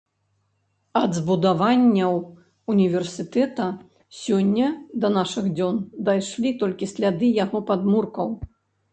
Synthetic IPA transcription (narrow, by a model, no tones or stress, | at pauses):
ɐd̪zbud̪avanʲːɐw | unʲivʲɛrsʲɨt̪ɛt̪ɐ | sʲɔnʲːɐd̪ɐnaʂɨɣd͡zʲɔnd̪ajʂlʲit̪ɔlʲkʲisʲlʲad̪ɨjaɣɔpad̪murkɐw